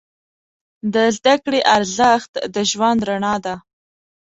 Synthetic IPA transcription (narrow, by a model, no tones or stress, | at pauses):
d̪əzd̪akɽeʔaɾzaxt̪d̪əʒwand̪ɾaɳɑd̪a